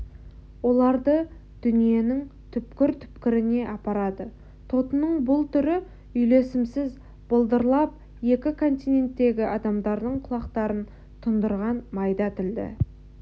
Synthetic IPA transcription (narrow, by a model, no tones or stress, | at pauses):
wo̞lˠɑɾd̪ə | d̪̥ʏnije̞nɪŋt̪ʰʏpkʲɪɾt̪ʰʏ̥pkʲɪɾɪne̞ʔɑpɑɾɑd̪ə | t̪ʰo̞t̪ənəɴbʊlˠt̪ʰʏɾɪ | ʏjle̞sɪmsɪz | b̥olˠd̪əɾlˠɑp̚ | je̞kʲɪkʰo̞nt̪ijne̞nt̪ːe̞ɡʲɪʔɑd̪ɑmd̪ɑɾd̪əɴqʰʊlˠɑqt̪ɑɾən | t̪ʰʊnd̪əɾʁɑnmɑjd̪ɑt̪ʰɪld̪ɪ̰